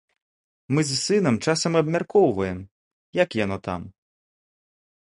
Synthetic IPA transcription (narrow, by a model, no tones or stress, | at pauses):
mɨzʲsɨnɐmt͡ʂasɐmɐbmʲarkɔwvɐjɛm | jakjanɔt̪a̰m